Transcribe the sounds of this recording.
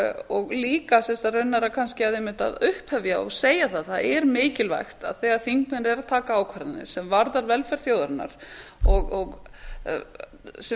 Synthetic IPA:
ɔɣliːkasɛnst̪arœɥnːaɾakʰanscɪavðehmɪnt̪a̰ðʏhphɛvjaɔ̰ɣseːjaθaðθaðɛɾmɪːcɪlva̰jxt̪a̰ðθɛːɣaðθiŋkmɪnɾɛɾat̪ʰaːkaːwkʰvaɾðanɪ̰̥sɛmvaɾðaɾvɛlfɛɾ̥θjoːwðaɾnːa̰ɾ̥ɔɣɔɣ | s

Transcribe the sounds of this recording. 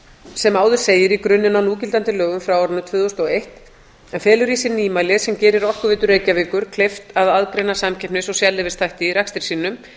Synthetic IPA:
sɛmaːwðʏ̥seːjɪɾikɾʏnːɪnanuːcɪlt̪ant̪ɪlœːɣʏmfɾawɔɾʏnːʏt̪ʰvʏːðost̪ɔejht̪ | ɛnfɛːlʏɾiːsɪniːmajlɪðsɛmcɛːɾɪɾɔr̥kʏvɪːt̪ʏreːjcaviːkʏɾ̥kʰl̥eft̪aðaðkɾɛːnasamcʰɛpnɪsɔɣsjalːɪvɪst̪ʰajht̪ɪiɾakst̪ɪɾ̥siːnʏm

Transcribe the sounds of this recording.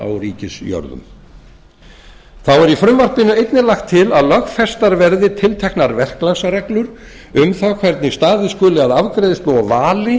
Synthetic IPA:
a̰wɾiːcɪsjɔ̰ɾðʏ̰m | θawɛɾifɾʏmvar̥pɪnʏejt̪nɪlaxt̪ʰːɪlaðlœxfɛst̪aɾvɛɾðɪt̪ʰɪlt̪ʰɛhknaɾvɛr̥klasarɛklʏɾ | ʏmθawkʰvɛɾt̪nɪst̪aːðɪskɔːlɪaðavkɾejðɪst̪loːwɔvaːlɪ

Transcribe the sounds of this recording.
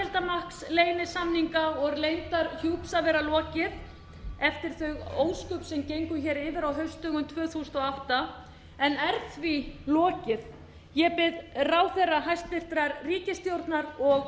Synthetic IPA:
ɛlt̪amahksleːjnɪsamniŋkaɔɣlejnt̪aɾçuwpsavɛɾalɔːcɪð | ɛft̪ɪɾ̥θœɥɣoːwskʏpsɛmcejŋkʏçɛːɾɪːvɪɾawɦœɥst̪œːɣʏmt̪ʰvœːθust̪ɔawht̪a | ɛnɛɾθvilɔːcɪð | jɛpɪðraːwθɛrːaɦajst̪vɪr̥t̪ɾaɾriːcɪst̪jowɾt̪naɾɔɣ

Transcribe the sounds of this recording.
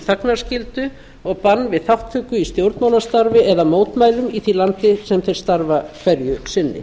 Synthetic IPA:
θaknaɾ̥scɪlt̪ʏ | ɔɣpanːvɪðθawht̪ʰʏkːʏist̪jowɾt̪maːwnast̪aɾvɪɛðamoːwt̪maːjlʏmiθilant̪ɪsɛmθɛjɾ̥st̪aɾvakʰvɛɾjʏsɪnːɪ̰

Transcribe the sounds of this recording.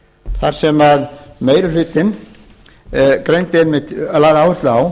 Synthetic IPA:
θaɾ̥sɛmaðmeːjɾʏɾ̥ɪːt̪ɪn | kɾejnt̪ɪɛnmɪlaːðawɛst̪lʏaw

